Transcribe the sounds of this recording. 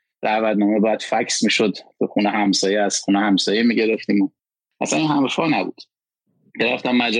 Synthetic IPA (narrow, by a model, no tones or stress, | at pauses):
ɾævæd̪nɒːmebæd̪̥fæcʰsmiːʃod̪tʰuxunehæmsɒːjeæsxuːnehæmsɒːjemiːɟe̞ɾeft̪iːmo | ʔæsæninhæmɾfɒːnæbṵːd̪̥ | beɾæft̪æmːæd͡ʒ